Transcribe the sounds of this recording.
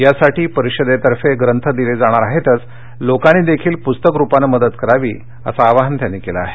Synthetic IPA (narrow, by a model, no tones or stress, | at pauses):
jasaʈiːpəɾiɕəd̪et̪əɾfeɡɾənt̪ʰəd̪iled͡zaɽ̃aɾaɦet̪ət͡s | lokaɽ̃iːd̪ekʰiːlpust̪əkɾupanəməd̪ət̪kəɾaʋḭː | ə̰saːʋaɦənt̪janːiːkela̰a̰ɦe